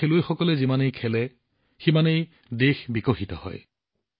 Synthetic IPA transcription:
elojxɔkɔlɛzimanejkʰɛlɛ | ximanej | dexbikɔxitɔ̰hɔ̰j

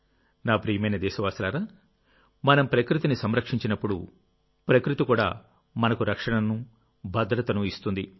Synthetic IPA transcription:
naːpɾijɐmɐjnɐd̪ɛːʃɐʋaːst̪ɐlaːɾaː | mɐnɐmpɾɐkɾut̪inisɐmɾɐkʂiɲt͡ʃinɐpːuɽṵ | pɾɐkɾut̪ikuːɽa̰ː | mɐnɐkuɾɐkʂɐɳɐnu | bʱɐd̪ɾɐt̪ɐnuist̪und̪i

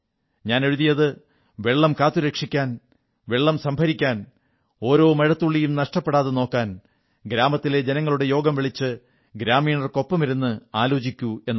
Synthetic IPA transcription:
ɲaːne̞ɻuðijɐðɨ | ʋe̞ɭːɐmkaːt̪ːuɾekʂikʲːaːn | ʋe̞ɭːɐmsɐmbʱɐɾikʲːaːn | o̞ːɾo̞ːmɐɻɐt̪ːuɭːijumnɐʂʈɐpːeɽaːðeno̞ːkːaːn | ɡɾaːmɐt̪ːile̞d͡ʑenɐŋːɐɭuɽe̞jo̞ːɡɐmʋiɭit͡ɕːɨ | ɡɾaːmiːɳɐrko̞pːɐmiɾunːɨaːlo̞ːt͡ɕikʲːue̞nː

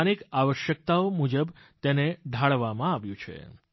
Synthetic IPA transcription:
nikaʋəʃjək̚t̪aomud͡ʒəb | t̪eneɖʱaɭʋamãaʋjũt͡ʃʰḛ

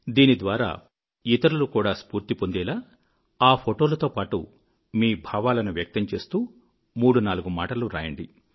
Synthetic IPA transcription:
d̪iːnid̪ʋaːɾa̰ː | it̪ɐɾulukuːɽaːspuːɾt̪ipo̞nd̪ɛːlaː | aːpʰoʈo̞ːlɐt̪o̞ːpaːʈṵ | miːbʱaːʋaːlɐnuʋjɐk̚t̪ɐɲt͡ʃe̞ːst̪uː | muːɽunaːluɡumaːʈɐluɾa̰ːjɐɳɖi

